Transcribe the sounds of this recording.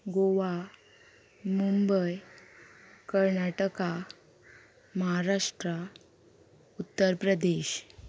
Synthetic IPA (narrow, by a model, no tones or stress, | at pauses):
ɡoʋa | mumbəj | kəɾnaʈəka | məɦaɾaʂʈɾa | ut̪ːəɾpɾəd̪eɕ